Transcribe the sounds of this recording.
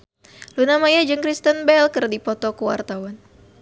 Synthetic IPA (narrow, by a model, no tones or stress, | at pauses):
lunamajad͡ʒɨŋkɾist̪ənbɛlkərdipɔt̪ɔkuwa̰rt̪awan